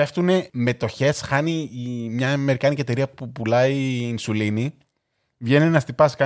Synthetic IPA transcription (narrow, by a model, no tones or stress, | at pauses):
e̞ft̪une̞me̞t̪o̞çe̞sxɐnimɲɐme̞ɾikɐnicie̞t̪e̞ɾiɐpupulɐiːnsulini | vʝe̞ninɐst̪ipɐskɐ